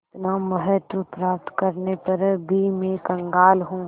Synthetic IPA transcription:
ɪt̪namɐɦət̪ʋəpɾaːp̚t̪kɐɾnepɐɾbʱimẽkɐ̃ŋɡaːlɦũː

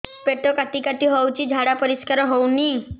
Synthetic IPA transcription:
peʈɔkat̪ikat̪iɦɔwt͡ʃʰid͡ʒʱaɽapɔɾiskaɾɔɦowni

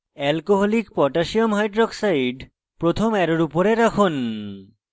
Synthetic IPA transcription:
ɛlkoɦɔlikpɔʈaʃiomɦajɖɾɔksajɖ | pɾot̪ʰomɛɾoɾupoɾeɾakʰon

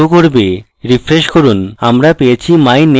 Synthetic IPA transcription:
okoɾbe | ɾifʰɾeʃkoɾuna̰mɾapejet͡ɕʰimajne

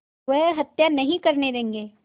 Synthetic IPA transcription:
ʋəɦɦɐt̪janɐɦĩkɐɾned̪eẽːŋɡeː

